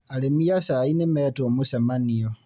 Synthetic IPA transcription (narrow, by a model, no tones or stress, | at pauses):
alemijasainemetomusamanijo